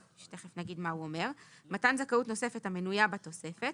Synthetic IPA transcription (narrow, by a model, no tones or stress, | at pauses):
ʃte̞χefnaɡidmauome̞ʁmatanzakautno̞se̞fethame̞nujabat̪o̞se̞fe̞t